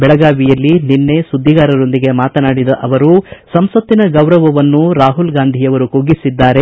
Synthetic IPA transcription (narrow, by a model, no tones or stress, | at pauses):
bɛɭɐɡaːʋijɐlːininːe̞sud̪ʱːiɡaːɾɐɾo̞nd̪iɡe̞maːt̪ɐnaːɽid̪ɐʔɐʋɐɾusɐmsʋɐt̪ːinɐɡɐwɾɐʋɐʋɐnːuɾaːɦulɡaːnd̪ʱijɐʋɐɾukoːɡisid̪ːaːɾe̞